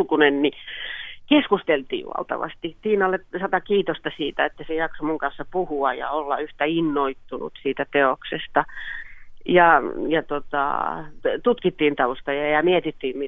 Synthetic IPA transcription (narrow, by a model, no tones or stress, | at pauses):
kunenni | keskust̪elt̪ḭːʋʋɑ̰lt̪ɑ̰ʋɑ̰st̪it̪iːnɑlːesɑt̪ɑkiːt̪ost̪ɑsiːt̪æet̪ːæsejɑksomuŋkɑnsːɑpuhuɑjɑ̰olːɑyht̪æinːoit̪ːunṵt̪siːt̪æt̪eoksest̪ɑ | jɑjɑt̪ot̪ɑ̰t̪ut̪kit̪ːiːnt̪ɑʋust̪ɑjɑjɑmiet̪it̪ːiːmmi